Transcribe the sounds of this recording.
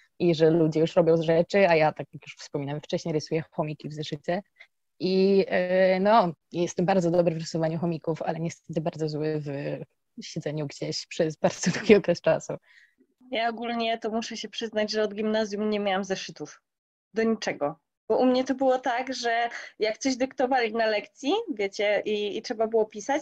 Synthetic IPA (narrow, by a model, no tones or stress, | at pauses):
ʔiʐɛlud͡ʑɛjuʂɾɔbʲjɔ̃w̃zʐɛt͡ʂɘajat̪akjakjuʂfspɔmʲinawɛmft͡ʂɛɕɲejɾɨsujɛxɔmʲikʲivzɛʂɘt͡ɕɛ | ʔi | nɔjɛst̪ɛmbaɾd̪zɔd̪ɔbɾɘvɾɨsuvaɲuxɔmʲikufa̰lɛɲɛst̪ɛt̪ɘbaɾd̪zɔzwɘv | ɕɛd̪zɛɲuɡd͡ʑeɕpʂɛzbaɾd̪zɔd̪uɡʲiɔkɾɛst͡ʂasu | jaɔɡulɲɛt̪ɔmuʂɛɕɛpʂɘznad͡ʑʐɛɔd̪ɡʲimnazʲjumɲɛmʲjawamzɛʂɘt̪uf | d̪ɔɲit͡ʂɛɡɔ | b̥ɔʔumɲɛt̪ɔbɘwɔt̪aɡʐɛjak̚t̪sɔʑd̪ɘkt̪ɔvalʲinalɛkt̪sʲjivʲjet͡ɕɛʔiːtʂɛbabɘwɔpʲisat͡ɕ